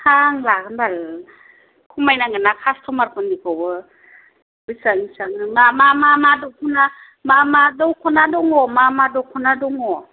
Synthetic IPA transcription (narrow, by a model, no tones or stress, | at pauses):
hʰaŋlakʰanbal | kʰumajnaŋanakʰastʰɔmaɾkʰɔndikʰɔwɯ | bɯsaŋisaŋɯŋamamamadɔwkʰuna | mamadɯwkʰɔnadɔŋɔmamadɔwkʰɔnadɔŋɔ